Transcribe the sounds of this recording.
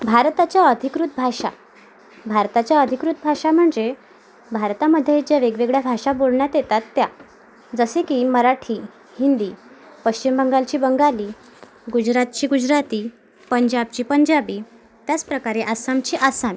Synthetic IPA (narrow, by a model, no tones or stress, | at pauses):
bʱaɾt̪at͡ɕjaəd̪ʱikɾut̪̚bʱaʂa̰ | bʱaɾt̪at͡ɕjaəd̪ʱikɾut̪̚bʱaʂam̤əɳd͡ze | bʱaɾt̪aməd̪ʱːjed͡ʑjaʋeɡʋeɡɭjabʱaʂabolɳjat̪jet̪at̪ːja | d͡zəsekiməɾaʈʰiː | hind̪iː | pəɕt͡ɕimbʱəŋɡalt͡ɕiːbəŋɡaliː | ɡud͡ʑɾat̪̚t͡ɕiːɡud͡ʑɾat̪iː | pəɲd͡ʑab̚t͡ɕiːpəɲd͡ʑabiː | t̪jat͡spɾəkaɾeʔasamt͡ɕiːʔasami